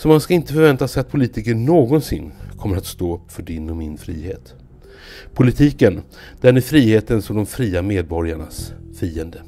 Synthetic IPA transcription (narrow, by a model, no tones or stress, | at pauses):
sɔmanskaɪnt̪əfœɾvɛnt̪asɛjat̪̚pʰʊliːt̪ɪkəɳoːɡɔnsɪ̰nːkʰɔmːəɾat̪st̪oːfœɖɪnːɔmɪnfɾḭːhḛːt̪ | pʰʊlɪt̪ʰiːkən | d̪̥æɳæfɾiːheːt̪ənsɔmd̪ɔmfɾiːameːd̪̚bɔɾjaɳa̰sfiːənd̪ə